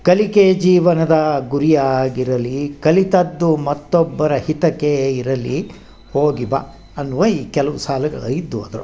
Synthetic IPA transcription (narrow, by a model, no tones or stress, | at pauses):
kɐliked͡ʒiːʋɐnɐd̪ɐɡuɾijaːɡiɾɐlikɐlit̪ɐd̪ːumɐt̪ːɔbːɐɾɐhit̪ɐkeiɾɐli | hoːɡibɐ̰ | ɐnːuʋɐiːkɛlɐʋusaːlɐɡɐ̰ɭɐid̪ːuɐd̪ɐɾṵ